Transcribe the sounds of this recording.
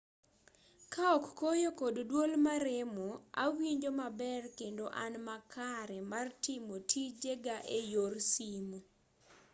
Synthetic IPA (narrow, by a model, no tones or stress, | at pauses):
kaɔkːojokoddwolmaɾemoa̰wiɲd͡ʒomabɛrkendoʔanmakʰaɾɛmartɪmotʰid͡ʒeɡaʔejorsimo